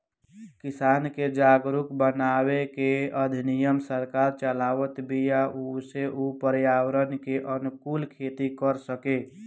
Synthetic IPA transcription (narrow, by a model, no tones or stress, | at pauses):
kɪsaːnked͡ʒaːɡɾʊkbənaːwekeəd̪ʱɪnɪjəmsəɾkaːɾt͡ʃəlaːwət̪bʱijauseʔupəɾjaːwəɾənkeʔənʊkuːlkʰeːt̪ikəɾsəkeː